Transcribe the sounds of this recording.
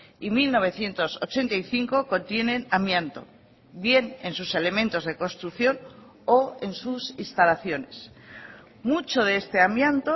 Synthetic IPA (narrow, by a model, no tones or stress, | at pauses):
imilno̞βe̞θje̞nt̪o̞so̰t͡ʃe̞nt̪aiθiŋko̞kont̪je̞nẽ̞namjant̪o̞̰ | βje̞ne̞nsuse̞le̞mẽ̞nt̪o̞zðe̞ko̞nst̪ɾuθjo̞n | oensusinst̪alaθjo̞ne̞s | mut͡ʃo̞ð̞eest̪e̞amjant̪o